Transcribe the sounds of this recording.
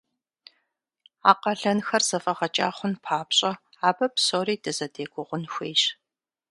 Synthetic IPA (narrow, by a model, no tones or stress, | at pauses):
a̰ːqɐɮɐnxɐrz̥ɐfɐʁɐt͡ʃʼaːχʷʊnpʰaːpɕʼɐ | aːbɐpsoːriːdɨzɐdeːɡʷʊʁʷʊnxʷeːɕ